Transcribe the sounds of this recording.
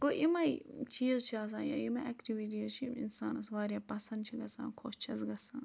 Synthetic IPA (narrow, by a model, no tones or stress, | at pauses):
koʔimɐit͡ʃiːzt͡ʃʰiaːs̬ãːja̰imɐɛkʈiʋiʈ̬iːzt͡ʃʰiḭnsa̰ːnɐsʋaːɾjaːpɐsɐ̃nd̪̚t͡ʃʰiɡɐsã̰ːkʰoːʃt͡ʃʰɐsɡɐsãː